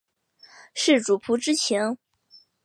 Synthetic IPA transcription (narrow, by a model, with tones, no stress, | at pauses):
ʂɻ̩˥˩ʈ͡ʂu˨˩pʰu˧˥ʈ͡ʂɻ̩˥t͡ɕʰjɛ˧˥n